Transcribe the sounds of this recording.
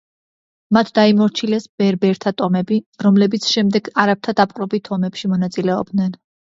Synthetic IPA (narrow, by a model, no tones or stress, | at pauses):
mat̪ʰd̪aimɔɾt͡ʃʰilɛsb̥ɛɾbɛɾt̪ʰat̪ʼɔmɛbiɾɔmlɛbit̪sʰʃɛmd̪ɛɡaɾap̚t̪ʰad̪apʼqʼɾɔbit̪ʰɔmɛpʃimɔnat̪sʼilɛɔ̰b̚d̪nɛn